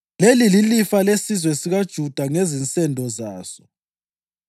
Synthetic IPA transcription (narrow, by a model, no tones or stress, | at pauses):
lelililifalesizwɛsiɣad̥ʒ̥ʱud̥ʱaŋezint͡sʼɛndʱɔzaːsɔ̥